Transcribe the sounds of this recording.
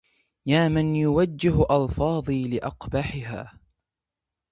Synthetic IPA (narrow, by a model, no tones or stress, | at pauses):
jaːmɪnjʊwad͡ʒːɪɦʔɑlfɑːðˤiːlɪʔɑqbaħɪɦa̰ː